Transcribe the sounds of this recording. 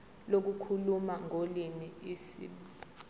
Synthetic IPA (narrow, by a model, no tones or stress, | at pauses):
lok̬ukʰulumaŋʱolimiisḭɓ